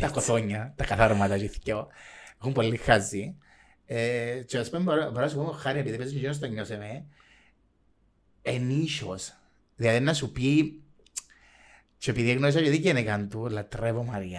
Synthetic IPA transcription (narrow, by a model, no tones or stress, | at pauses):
t̪ɐkoθoɲːɐt̪ɐkɐθaɾmɐt̪ɐt͡ʃiθcoexumpolːixːazːi | et͡ʃoɐspomboɾpoɾonɐs̬upumoxːaɾiepiðipeznijinos̬t̪ɐɲːoseme | eniʃos | ðilɐðinɐsupi | t͡ʃoepiðieɣnoisɐt͡ʃeðiɟenekant̪ulɐt̪ɾevomɐɾiɐ